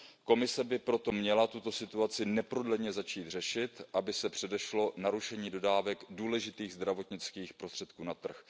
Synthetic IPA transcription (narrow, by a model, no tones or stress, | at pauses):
ko̞mɪsɛbɪpɾo̞t̪o̞mɲɛlat̪ut̪o̞sɪt̪uat͡sɪnɛpɾodlɛɲɛzat͡ʃiːt̪r̝̥ɛʃɪt̪ʔabɪsɛpr̝̥ɛdɛʃlo̞naɾuʃɛɲiːdo̞daːvɛkduːlɛʒɪt̪iːɣzd̪ɾavo̞t̪ɲɪt͡skiːxpɾo̞st̪r̥ɛt̪̚kuːnat̪r̩x